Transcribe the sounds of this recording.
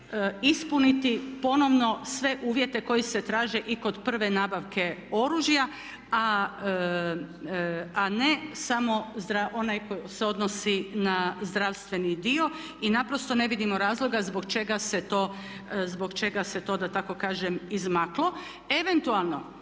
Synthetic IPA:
ispunit̪ipo̞no̞ʋno̞sʋe̞ʔuːʋje̞t̪e̞ko̞jise̞t̪ɾaːʒe̞ʔiko̞d̪pr̩ʋe̞naːbaʋke̞o̞ɾuːʒja | a | ane̞samo̞zd̪ɾaʔo̞najkojseo̞d̪nosinazd̪ɾaʋst̪ʋe̞nid̪io̞ | inapɾo̞st̪o̞ne̞ʋid̪imo̞ɾaːzlˠo̞ɡazboɡt͡ʃe̞ɡaset̪o̞ː | zboɡt͡ʃe̞ɡaset̪o̞ːd̪at̪ako̞kaːʒemizmaklo̞ | e̞ʋe̞nt̪ualˠno̞

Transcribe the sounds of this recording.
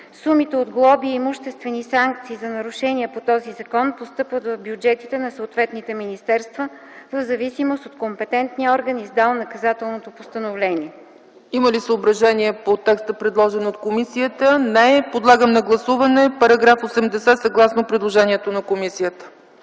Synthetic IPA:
sumit̪ɛod̪ɡlˠɔbiimuʃt̪ɛst̪vɛnisaŋkt̪siːzɐnɐɾuʃɛniɛpot̪ɔzizɐkɔnpost̪ɤpvət̪vɐvbjud͡ʒɛt̪i̥t̪ɛnɐsəːt̪vɛt̪nit̪ɛminist̪ɛɾst̪və | vəvzɐvisimost̪ot̪kompɛt̪ɛnt̪niɔɾɡənizd̪alˠnɐkɐzat̪ɛlˠnot̪opost̪ənovlɛniɛ | iməlisəobɾɐʒɛniɛpot̪ɛkst̪əpɾɛd̪lˠɔʒɛnot̪komisiət̪ənɛpod̪lˠaɡəmnɐɡlˠɐsuvɐnɛpɐɾɐɡɾafosɛmd̪ɛsɛsɐɡlˠasnopɾɛd̪lˠoʒɛniɛt̪onɐkomisijət̪ə̥

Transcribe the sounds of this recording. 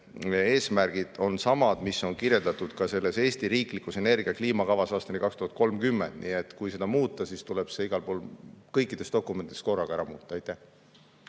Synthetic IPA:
e̞ːsmærɡ̥id̪̥o̞nsɑmɑd̪̥misːo̞nkirje̞ld̪ɑt̪ːˑud̪̥kɑse̞lːe̞se̞ːsʲt̪iɾiːklikːˑuse̞ne̞rɡ̥iɑkliːmɑkɑvɑsɑːst̪ɑnikɑkst̪uhɑt̪̚ko̞lmkymːend̪̥niːet̪ːˑkujse̞d̪ɑmuːt̪ːˑɑsist̪uleb̥se̞iɡ̥ɑlpo̞ːlkɤjkːˑid̪̥est̪d̪okːˑumet̪id̪esko̞rːɑɡ̥ɑæɾɑmuːt̪ːˑɑɑjt̪ːˑæh

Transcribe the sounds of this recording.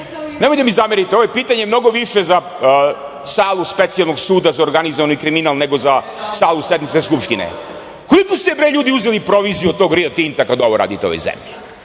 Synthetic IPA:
nemojd̪emizameɾit̪eoʋojepiːt̪aɲemno̞ɡo̞ʋiʃeza | saːlˠuspet̪sijalˠnoɡsuːd̪azaoɾɡanizoʋanikɾiminalˠneɡo̞za | saːluse̞d̪nmit̪seskupʃt̪inḛ | kolikost̪ebɾojʎuːd̪iuzelipɾo̞ʋiziuo̥t̪o̞ːɡɾiot̪int̪akad̪oʋo̞ɾʔa̰ːd̪it̪eo̞ʋo̰jzḛmʎi

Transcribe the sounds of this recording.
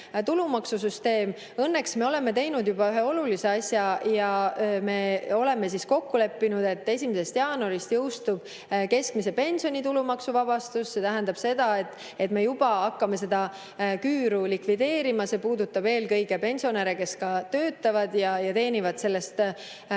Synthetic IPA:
t̪ulumɑksus̬yst̪e̞ːm | ɤnːe̞ksme̞o̞le̞me̞t̪e̞jnud̪jub̥ɑyɦe̞o̞lulise̞ɑsʲjɑjɑme̞o̞le̞me̞sisko̞kːule̞pːinud̪e̞t̪ːˑe̞sʲimese̞st̪jɑːno̞ɾist̪jɤwst̪ub̥ | ke̞skmise̞pe̞nʲsio̞nʲit̪ulumɑksuvɑb̥ɑst̪usse̞t̪æɦænd̪̥ɑb̥se̞d̪̥ɑe̞t̪ːˑ | e̞t̪me̞jub̥ɑɑkːɑme̞s̬e̞d̪ɑ | kyːɾulikvid̪e̞ːɾimɑse̞puːd̪ut̪ːɑbe̞ːlkɤjɡe̞pe̞nʲsio̞neɾeke̞skɑt̪ø̞ːt̪ːˑɑvɑd̪̥jɑjɑt̪e̞ːnʲivɑd̪̥se̞lːe̞st̪

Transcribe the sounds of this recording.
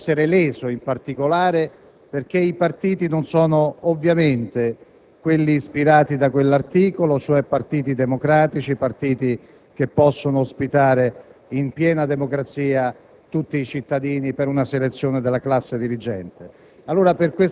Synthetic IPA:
eɾelɛːzoimpart̪ikolaːɾe | perk̟eipart̪iːt̪inonsɔːnoːvːjament̪e | kwelːiːspiɾaːt̪id̪akwelːart̪iːkolot͡ʃoɛpːart̪iːt̪id̪emokɾaːt̪it͡ʃipart̪iːt̪i | k̟epːɔsːonoːspit̪aːɾeimpjɛːnad̪emokɾat̪siːa | t̪ut̪ːiːt͡ʃit̪ːad̪iːnipeɾunaselet̪sːjoːned̪elːaklasːed̪iɾid͡ʒɛnt̪e | alːoːɾaperkwe

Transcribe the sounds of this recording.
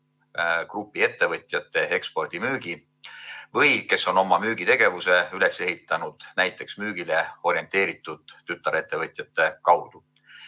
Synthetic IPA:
krupːˑie̞t̪ːe̞vɤt̪ʲˑjɑt̪ːe̞ekspo̞rd̪̥imyːɡ̥i | vɤjke̞so̞no̞mːɑmyːɡ̥it̪e̞ɡ̥e̞vuse̞yle̞sːe̞ɦit̪ːˑɑnud̪̥næjt̪ːˑe̞ksmyːɡ̥ile̞o̞ɾie̞nt̪e̞ːɾit̪ːˑud̪̥ːyt̪ːˑɑɾe̞t̪ːe̞vɤt̪ʲˑjɑt̪ːˑe̞kɑwd̪̥u

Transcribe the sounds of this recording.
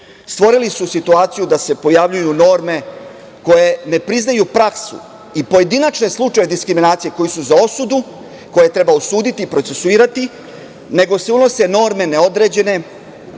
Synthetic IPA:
st̪ʋo̞ɾilisusit̪uaːt̪sijud̪ase̞po̞jaʋʎujuno̞ɾme̞ | ko̞je̞ne̞pɾiznajupɾaksṵ | ipo̞je̞d̪inat͡ʃne̞slˠut͡ʃajed̪iskɾiminaːt̪sije̞ko̞jisuzao̞sud̪u | ko̞je̞t̪ɾe̞bausuːd̪it̪iːpɾotse̞suiːɾat̪i | ne̞ɡo̞se̞uno̞se̞no̞ɾme̞ne̞o̞d̪ɾe̞ːd͡ʑe̞ne̞

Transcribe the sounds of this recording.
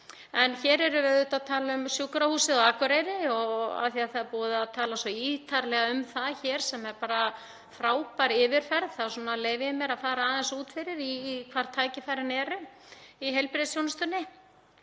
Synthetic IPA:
ɛnçɛːɾɛɾʏvɛðʏt̪aðt̪ʰaːlaʏmsjukɾahuːsɪðɔakvʏɾejɾɪɔɣa̰θiaðθaðɾpuːðaðt̪ʰaːlasɔiːt̪ʰaɾlɛɣaʏmθaðçɛːɾ̥sɛmɛɾpaːɾa | fɾaːwpaɾɪːvɪɾ̥fɛɾðθasɔːnaleːjvɪʏmjɛɾaðfaːɾaːðɛnsuːt̪fɪɾɪɾikʰvaːɾ̥t̪ʰaːjcɪfajɾɪnɛɾʏiɦejlpɾɪðsjownast̪ʏnːɪ

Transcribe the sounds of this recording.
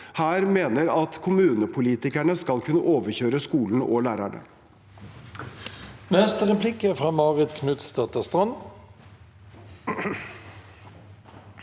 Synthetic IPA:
hæːɾmeːnəɾɑt̪kʰʊmʉːnəpʰʊliːt̪ɪkæɳəskɑlkʰʉnːəʔoːʋəçøːɾəskuːln̩ʔɔlæːɾæɳə̰ | nɛst̪əʁɛpʰlɪkəfʁɑːmɑːʁɪt̪kʰnʉt̪sd̪ɑt̪əst̪ʁɑn

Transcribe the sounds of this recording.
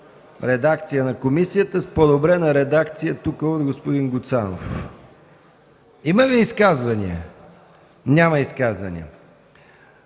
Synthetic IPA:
ɾɛd̪akt̪sijənɐkomisijət̪əspod̪obɾɛnɐɾɛd̪akt̪sijət̪ukəod̪ɡospʊd̪inɡʊt̪sano̰f | iməviːskazvɐnḭə̰ | nʲaməiskazvɐnḭə̰

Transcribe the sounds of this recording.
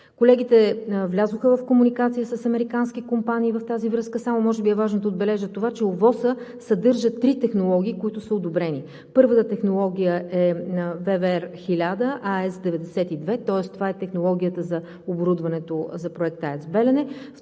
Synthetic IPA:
kolɛɡ̟it̪ɛvlʲazoxəvɐfkomunikat̪sijəsəsɐmɛɾikansk̟ikompaniːvɐft̪azivɾɤskəsamʊmɔʒɛbiɛvaʒnod̪ɐod̪̚bɛlɛʒət̪ovat͡ʃɛovɔsəsɐd̪ɤɾʒət̪ːɾit̪ɛxnolˠɔɡʲiːkoit̪ʊsəod̪obɾɛni | pɤɾvət̪ət̪ɛxnolˠɔɡ̟ʲijəɛvɛvɛɾxilʲad̪əʔaɛsd̪ɛvɛd̪ɛsɛt̪id̪vɛt̪ɔɛst̪ovaɛt̪ɛxnolˠɔɡ̟ʲijət̪əzɐ | oboɾud̪vɐnɛt̪ozɐpɾoɛk̚t̪aɛsbɛlɛnɛ

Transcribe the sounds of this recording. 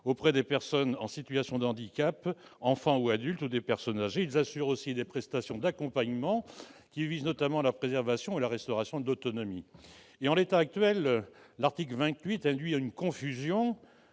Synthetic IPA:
opχɛd̪epɛʁsɔnɑ̃sit̪ɥasjɔ̃d̪ɑ̃d̪ikapɑ̃fɑ̃uad̪ylt̪ud̪epɛʁsɔnzaʒeilzasyʁosid̪epχɛst̪asjɔ̃d̪akɔ̃paɲmɑ̃kʲiviznɔt̪amɑ̃lapχezɛʁvasjɔ̃elaʁɛst̪ɔʁasjɔ̃d̪ot̪ɔnɔmi | eɑ̃let̪aːk̚t̪ɥɛl | laʁt̪ikləvɛ̃t̪ɥit̪ɛ̃d̪ɥiaynkɔ̃fyzjɔ̃

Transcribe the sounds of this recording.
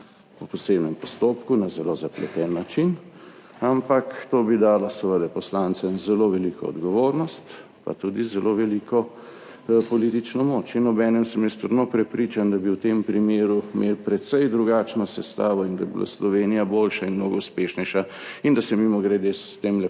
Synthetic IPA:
pɔpɔsebnɛmpɔst̪oːpkunazɛlozaplɛt̪ɛnːat͡ʃin | ampakt̪oːbid̪aːlɔsəʋəd̪ɛpɔslant̪sɛmzɛloʋɛlikʰɔ̰ɔ̰d̪ɡɔʋoɾnɔst̪ | pa̰t̪ud̪izɛlʔoʋɛlikʰɔ | pɔliːt̪it͡ʃnɔmoːt͡ʃinɔbɛːnɛmsəmjɛst̪əɾnopɾɛpɾiːt͡ʃand̪ɐbiwt̪empɾimeːɾumelpɾɛt̪sɛjd̪ɾuɡaːt͡ʃnɔsɛst̪aːʋɔind̪a̰jbila̰slɔʋeːnijabolʃainmnoɡɔuspeʃnɛjʃaind̪asɛmimɔɡɾɛd̪est̪emlɛ

